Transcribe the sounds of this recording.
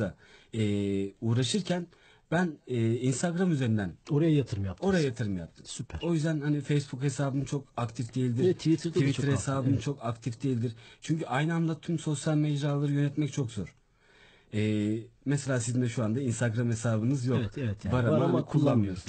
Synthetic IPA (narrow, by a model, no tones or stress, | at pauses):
a | ɛːuːɾaʃɯɾcʰæn | b̥ænɛːinst̪ʰaɡɾamyze̞ɾind̪ænoɾajajat̪ʰɯɾmjap̚to̞ɾajajat̪ʰɯɾɯmjap̚t̪ʰɯ̥msypʰæɾo̞jyzd̪ænhanifejsbukhe̞saːbɯnɯt͡ʃʰo̞kakt̪ʰifd̪e̞jilʲd̪iɾʰvit̪ʰɾd̪ivitɾhesaːbɯnɯt͡ʃʰo̞kakt̪ʰifd̪ejilʲd̪iɾt͡ʃʰyɲcyʔajnɯand̪ˠat̪ʰymso̞sjalʲmed͡ʒɾaːlˠaɾɯjø̞nɛt̪mɛct͡ʃʰo̞kzoɾ̥ | ɛːmɛselʲaːsizimd̪ɛʃuand̪ainst̪ʰaɡɾamhe̞saːbɯnɯzjokɛɛvɛt̪baɾaaankʰulˠːanmɯjoɾuz